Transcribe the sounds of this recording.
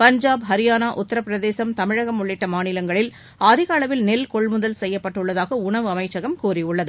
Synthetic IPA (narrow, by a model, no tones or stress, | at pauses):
pɐɲd͡ʒaːbɦɐɾɪjaːnaːʔʊt̪ːɐɾɐpːɪɾɐðeːsɐmt̪ɐmɪɻɐɣɐmʊɭːɪʈːɐmaːnɪlɐŋɡɐɭɪl | aːðɪɣɐɐːɭɐʋɪlnɛlkɔɭmʊðɐlsɛjːɐpːɐʈːɯɭːɐðaːɣɐʊɳɐʋɯɐmɐɪt͡ʃːɐɣɐmkuːɾiʊɭːɐðɯ